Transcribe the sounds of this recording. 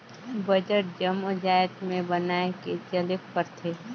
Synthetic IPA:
bɐd͡ʒəʈ̚d͡ʒəmʊd͡ʒaːjət̪mẽbɐnaːeket͡ʃəlɪk̚pəɾt̪ʰeː

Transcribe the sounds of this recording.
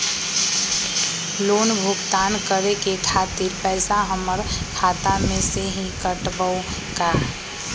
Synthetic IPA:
loːnbʱʊɡt̪aːnkəɾekekʰaːt̪iɾpɛːsaɦəməɾkʰaːt̪amẽseɦĩkəʈbəʊka

